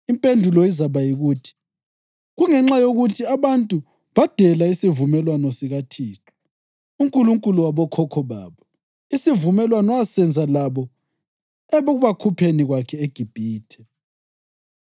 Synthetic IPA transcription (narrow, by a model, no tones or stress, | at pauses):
impʼendʱulɔizaβajiɣuːtʰi̥ | ɣuŋɛŋ͡ǁajoɣutʰiaβantʼu | βad̥ʱɛlaisivumɛlwanɔsiɣatʰiːtʰu̥ | uŋkʼuluŋkʼuluwaβɔkʰɔkʰɔβa̰ːβɔ | isivumɛlwanɔasɛnd͡zʱalaβɔ | ɛβoɣuβakʰupʰeniɣwakʰɛeɡ̥ʱib̥ʱiːtʰɛ